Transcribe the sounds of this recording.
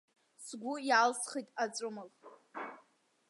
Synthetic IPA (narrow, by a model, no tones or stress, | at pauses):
sɡʷʊjalsχijtʼat͡sʷʼʊmɨl